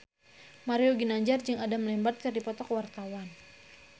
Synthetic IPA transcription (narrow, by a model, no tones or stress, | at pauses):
maɾioɡinaɲd͡ʒard͡ʒɨŋadaməlɛmbat̪̚kardipɔt̪ɔkwart̪awan